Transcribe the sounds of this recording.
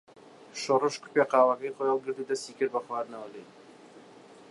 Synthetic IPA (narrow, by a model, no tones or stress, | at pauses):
ʃorɨʃkʊ̥peqɑːwɐkɐjxojɑlˠɡɨɾd̪uːd̪ɐst̪iːkɨɾbɐχwaːd̪nɐwɐlḛ